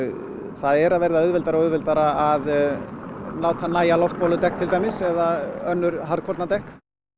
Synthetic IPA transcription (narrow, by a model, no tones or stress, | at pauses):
θaðɛɾaðvɛɾðaʏðvɛlt̪aɾaɔʏðvɛlt̪aɾaað | laːwt̪hanaːjalɔft̪̚pawlʏt̪ɛk̚t̪ʰɪlt̪aːjmɪsɛðaœnːʏɾ̥ɦaɾðkʰɔɾt̪nat̪ɛhk